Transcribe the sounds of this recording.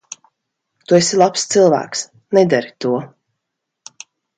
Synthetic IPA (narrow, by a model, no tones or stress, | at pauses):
t̪uesilˠapst̪sɨlˠvæ̰ːks | nɛd̪aɾit̪uɔ